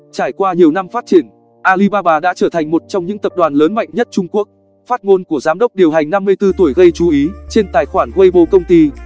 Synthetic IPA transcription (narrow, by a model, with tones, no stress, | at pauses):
t͡ɕaː˧˩jkwaː˧ɲi˨˩əwna˧mfaː˦˥t̚t͡ɕi˧˩ən | ʔaː˧li˧ɓaː˧ɓaː˧ɗa̰ː˧˥t͡ɕəː˧˩t̪ʰa˨˩jŋ̟mo˨˩t̚t͡ɕɔ˧wŋ͡mɲɨ̰˧˥ŋt̪ə˨˩p̚ɗwaː˨˩nləː˨˦nma̰˧˨jŋ̟ɲə˦˥t̚t͡ɕʊ˧ŋ͡mku˦˥ək̚ | faː˦˥t̚ŋo˧nku˧˩əzaː˨˦mɗə˦˥wk͡p̚ɗi˨˩əwɦa˨˩jŋ̟na˧mːɨ˧əjt̪ɨ˧t̪u˧˩əjɣə˧jt͡ɕu˨˦ʔi˨˦t͡ɕe˧nt̪aː˨˩jxwaː˧˩nɣə˧jɓo˧kə˧wŋ͡mt̪i˧